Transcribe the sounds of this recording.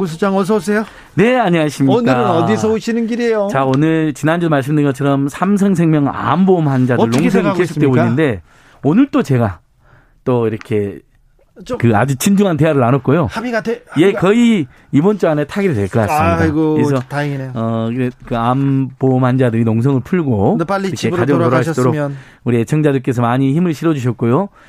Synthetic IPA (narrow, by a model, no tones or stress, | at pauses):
us̬ʰut͡ɕaŋʌs̬ʰʌsejo | ne̞aɲiɦaɕʰimɲink͈aɯɾɯnʌd̪isʰʌoɕʰinɯnɡiɾiejot͡ɕaonɯɭt͡ɕinand͡ʑedomaɭs̬͈ɯmdɯnɡʌt͡ɕʰʌɾʌmsʰamsʰʌŋsʰeŋmjʌŋa̰mbomhand͡ʑadɯɭnoŋsʰŋikes̬ʰo̥k̚t͈ebonɯnde̞ | onɯɭt͈ot͡ɕe̞ɡa | t͈oiɾʌkʰe̞ | kɯa̰d͡ʑut͡ɕʰind͡ʑuŋɦante̞ɦaɾɯɾanʌt̚k͈ojo | jekʌi | ibont͡ɕ͈uane̞tʰaɡiɾidweɭk͈ɯas͈mmidaɡkesʰʌʌkɾekɯambomhand͡ʑadɯɾinoŋs̬ʰʌŋɯɭpʰuɭɡoaɾkʰead͡ʑʌŋɭoɾoɦat͈oɾo | uɾiet͡ɕʰʌŋd͡ʑadɯɭk͈e̞s̬ʰʌmaɲiçimɯɭɕʰiɾʌd͡ʑuɕ̬ʰʌt̚k͈ojo